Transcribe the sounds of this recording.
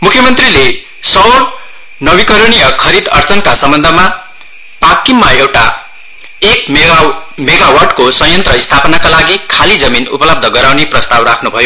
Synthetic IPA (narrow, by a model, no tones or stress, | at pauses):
mukʰjʌmʌnt̪rile | sʌwr | nʌwikʌɾɽ̃ijʌkʰʌɾid̪ʌ̰rt͡sʌnkasʌmbʌnd̪ʱʌma | pakːimːaewʈa̰ | ek | meɡawarɖkosʌ̃jʌnt̪rʌist̪ʰapʌnakalaɡikʰalid͡zʌminṵpʌlʌb̚d̪ʱʌɡʌɾawneprʌst̪awrakʰnubʱʌjo